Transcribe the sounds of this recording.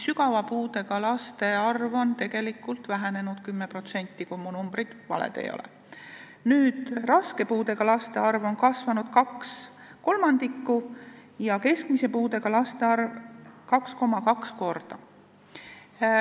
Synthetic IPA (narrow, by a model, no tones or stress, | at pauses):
syɡɑvɑpuːd̪e̞ɡ̥ɑlɑst̪e̞ɑrvo̞nt̪e̞ɡ̥e̞likːˑult̪ˑvæɦene̞nud̪̥kymːe̞pro̞t̪se̞nʲt̪ːikujmunumb̥rid̪̥vɑ̰lḛd̪̥ḛjo̰lḛ | nyːd̪̥rɑske̞puːd̪e̞ɡ̥ɑlɑst̪e̞ɑrvo̞nkɑsvɑnud̪̥kɑks | ko̞lmɑnd̪̥ikːujɑke̞skmise̞puːd̪e̞ɡ̥ɑlɑst̪e̞ɑrvkɑksko̞mɑkɑksko̞rd̪̥ɑ